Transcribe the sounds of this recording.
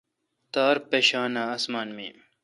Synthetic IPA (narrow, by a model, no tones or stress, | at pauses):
t̪aːɾpeɕaːnaɐsmaːnmḭː